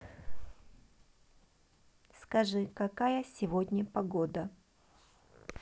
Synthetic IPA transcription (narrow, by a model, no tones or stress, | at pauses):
skɐʐɨkɐkajəsʲɪvod̪ʲnʲɪpɐɡod̪ə